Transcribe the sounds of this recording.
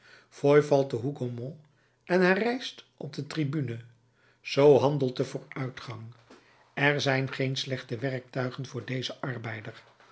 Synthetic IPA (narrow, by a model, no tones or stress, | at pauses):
fɔjvɑlˠt̚dəɦuɡomɔ̃ | ʔɛnɦɛrɛjstʔɔb̚dətribynə | z̥owɦɑndəlˠt̚dəvʊːɹœɥtχɑŋ | ɛɹzɛjnχejnslɛχtəʋɛrk̚tœɥχənvʊːɹdejzəʔɑɹbɛjdəɹ